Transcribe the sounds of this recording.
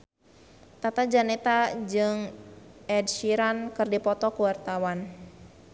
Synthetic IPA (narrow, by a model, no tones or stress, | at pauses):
t̪at̪ad͡ʒanɛt̪ad͡ʒɨŋʔɛd̚ʃiɾankɨrdipɔt̪ɔkuwart̪awan